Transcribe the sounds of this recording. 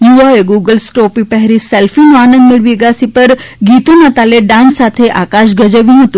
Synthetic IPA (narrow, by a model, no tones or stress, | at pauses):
juaeɡuɡəlsʈopipɛɦɾisɛlfinũanə̃nd̪mɪɭʋiɡasipəɾɡit̪ũnat̪aleɖãnsat̪ʰeʔakaʃɡəd͡ʒəʋjũɦət̪ũ